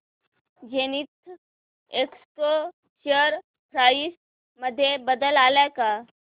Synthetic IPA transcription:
d͡ʑenit̪ | eksko | ɕəɾ | pʰɾais | məd̪ʱːjebəd̪əlalaka

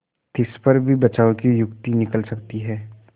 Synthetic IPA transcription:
t̪ɪspɐɾbʱibɐt͡ʃaːõkijʊkt̪inɪkəlsɐkt̪iɦɛː

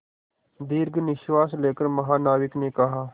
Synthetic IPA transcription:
d̪iːɾɡnɪʃʋaːsleːkəɾməɦaːnaːʋɪkneːkɐɦaː

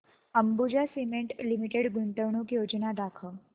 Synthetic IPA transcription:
əmbud͡ʑasimeɳʈlimiʈeɽɡuɳʈəʋɳukjod͡ʑnad̪akʰə

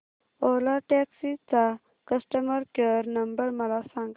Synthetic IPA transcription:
olaʈeksit͡sa | kɐsʈəmɐɾkeɾnɐmbəɾmɐlasãŋɡ

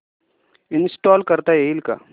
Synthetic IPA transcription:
ɪnsʈɔːlkɐɾt̪ajeilka̰

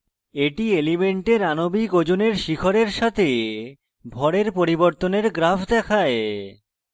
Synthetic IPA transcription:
eʈielimeɳʈeɾanobikod͡ʑoneɾʃikʰoɾeɾʃat̪ʰe | bʱɔɽeɾpoɾiboɾt̪oneɾɡɾafʰd̪ɛkʰae

